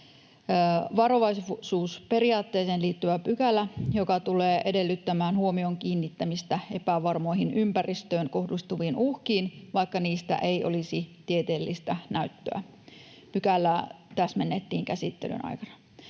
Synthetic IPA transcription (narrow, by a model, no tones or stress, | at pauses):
ʋɑro̞ʋɑissuːspe̞riɑːt̪ːe̞ːseːnliːt̪ːyʋæpykælːˑæjokɑt̪uleːʔedelːyt̪ːæmæːnhuomioŋkiːnːit̪ːæmist̪æepæʋɑrmo̞iɦinʔympærist̪øːnkohdust̪uʋiːnuhkiːnʋɑikːɑniːst̪æ̰ʔeiʔo̰lisit̪iet̪eːlːist̪ænæyt̪ːøæ̰ | pykælːæt̪æsmenːet̪ːiːŋkæsit̪ːḛly̰nɑ̰jkɑnɑ